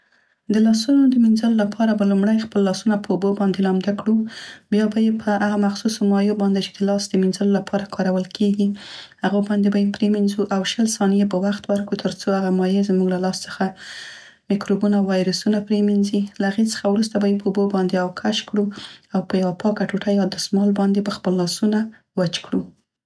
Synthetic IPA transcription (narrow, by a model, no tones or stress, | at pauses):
d̪əlɑsunod̪əminzəlolapʰɑɾabalumɽajxpəlːɑsunapəubobɑnd̪elɑmd̪akɽubjɑbajepʰəhaɣamaxsusomɑjobɑnd̪et͡ʃe̥d̪əlɑsd̪əminzəlolapʰɑɾakɑɾawəlkʰeɡihaɣobɑnd̪ebajepɾeminzuʔawʃəlsɑnijebawaxt̪wəɾkut̪ʰəɾt͡soaɣamɑjezmuɡlalɑst͡sə̥xa | mikɾobunawwɑjɾəsunapɾeminzilaaɣet͡sə̥xawɾus̬t̪abajepʰəobobɑnd̪eawkʰaʃkɽuawpəjawapɑkaʈuʈajɑd̪əsmɑlbɑnd̪ebaxpəlːɑsuna | wat͡ʃkɽu